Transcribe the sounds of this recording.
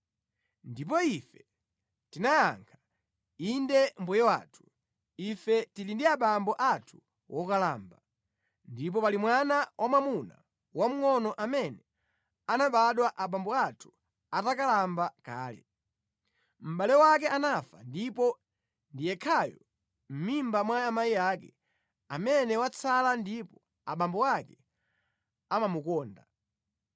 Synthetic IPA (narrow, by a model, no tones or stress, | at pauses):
ndip̬ɔifɛ̥ | tinaja̰ŋkʰḁ | indɛm̩bujɛwa̰ːtʰu̥ | ifɛtilindiaɓambɔʔatʰu̥ | wʔɔkalaːmba | ndip̬ɔpalimwanawʔamamuna̰ | wam̩ŋɔnɔʔamɛnɛ | anaɓaɗwaʔaɓambɔatʰu̥ | atakalambaka̰ːlɛ̰ | m̩ɓalɛwak̬ɛʔanafandipɔ | ndijɛkʰajɔ | m̩mimbamwaamajijaːkɛ | amɛnɛwat͡sʰalandipɔ | aɓambɔwakɛ | amamukɔːnda